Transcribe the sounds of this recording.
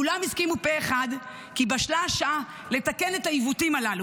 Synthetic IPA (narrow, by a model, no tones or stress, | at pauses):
ulamizkimupeːχad̪ | kibaʃlaʃaʔa | le̞t̪ake̞netaivutimalalu